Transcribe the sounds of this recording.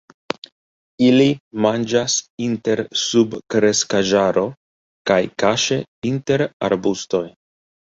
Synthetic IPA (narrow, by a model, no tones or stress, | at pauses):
ilimand͡ʒasinte̞ɾsubkɾe̞skaʒaɾʔo̞ | kajkaʃe̞inte̞ɾa̰ɾbusto̞j